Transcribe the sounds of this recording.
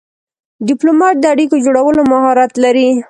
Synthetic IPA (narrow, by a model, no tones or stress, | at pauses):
ɖɪplomɑt̪̚d̪əaɽikod͡ʒoɽawəlomahɑɾat̪laɾi